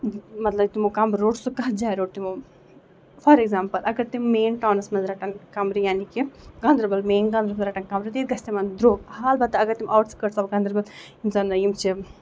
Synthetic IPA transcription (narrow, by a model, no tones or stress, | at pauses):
mɐt̪lɐt̪imukaːmbɾɾoːɖsukɐɦɐd͡ʒaːjɾoːɖt̪imu | fʰɐɾeɡzaːmpɐlʔɐɡɐt̪ːimːeːnʈaːnɐsmɐzɾaːʈɐnkaːmbɾijaːnikeɡaːnd̪ɾɐbɐlmeːnɡaːnd̪ɾɐmɐzɾaːʈɐnkaːmbɾit̪iːd̪ɡɐst̪emɐnd̪ɾoːɡ̚haːlbɐt̪ːɐɐɡɐt̪ːimʔɐʋʈskɐʈsɐbɡaːnd̪ɾɐbɐl | imzɐnɐjimt͡ʃi